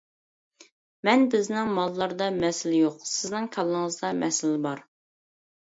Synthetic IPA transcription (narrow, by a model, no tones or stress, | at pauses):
mɛnbɪznɪŋmɑlˠːɑɾd̪ɑmɛsɪlɪjoqsɪznɪŋkʲʰɑlˠːəŋəzd̪ɑmɛsɪlɪbɑɾ